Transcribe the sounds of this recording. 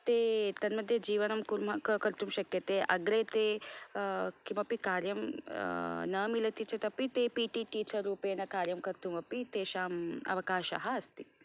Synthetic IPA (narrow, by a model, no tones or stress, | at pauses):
t̪eːt̪ɐnmɐd̪ʱːjɐd͡ʒiːʋɐnɐmkuɾmɐkkɐɾt̪umʃɐkjet̪eʔɐ̰ɡɾet̪e | kimɐpikaːɾjɐm | nɐmilɐt̪it͡ʃʰet̪ɐpit̪eːpiʈiʈiːt͡ʃɐɾuːpeːnɐkaːɾjɐmkɐɾt̪umɐpit̪eːʃaːmɐ̰ʋɐkaːʃɐ̰ɦɐɐst̪i